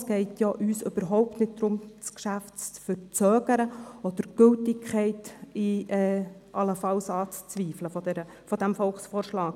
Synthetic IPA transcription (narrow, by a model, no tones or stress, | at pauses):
sɡ̥ɛɪtjɑʔyːsʏb̥əɾɦɔʊp̚tnɪt̚d̥̪ɾʊmt͡skʃæftt͡st͡sfərt͡sœːɡ̥əɾəɔd̪̥əɾɡ̥ɵltɪkʰχɛɪtɪʔɛːʔɑləfɑlsɑːt͡st͡sʋiːfləfodɛɾə | fɔd̥̪æmfɔlχsfɔːrʃlɑːk